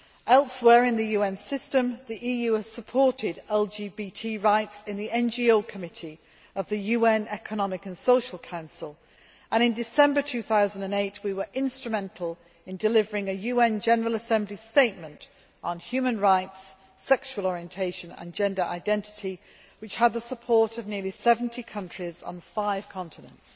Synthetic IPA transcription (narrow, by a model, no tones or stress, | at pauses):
ʔɛlˠswɛːɹɪ̃nðɨjʉːɛ̃nsɪstə̃mðiʔiːjʉːəz̥səpʰɔɹtʰɪdɛlˠd͡ʒiːbitʰiɹaɪtsɪ̃nðiɛ̃nd͡ʒioʊkʰəmɪtʰi | əvðəjʉːɛ̃nɛkʰənɒmɪkə̃nsoʊʃəlˠkʰãʊ̃nsəlˠ | ʔə̃ɾ̃ɪ̃ndɪsɛ̃mbətʰʉθaʊzə̃n̩də̃neɪtwiwə˞ʔɪ̃nstɹ̥əmɛ̃ntʰˡl̩ˠ | ɪ̃ndɨlɪvəɹɪ̃ŋɨjʉːɛ̃nd͡ʒɛnəɹəlˠəsɛ̃mblisteɪʔ̚mə̃nt | n̩hjʉːmə̃nɹaɪtsː | ɛkʃuwəlˠɔɹiə̃ntʰeɪʃə̃nə̰̃nd͡ʒɛ̃ndə˞ʔa̰ɪdɛ̃ntɪ̥tʰi | wɨt͡ʃhəd̪̚ðəsəpʰɔɹtəvnɪəlisɛvə̃n̩tʰikʰʌ̃nt͡ʃɹ̥ɪzn̩faɪv̥kʰɑ̃ntʰɪnə̰̃nts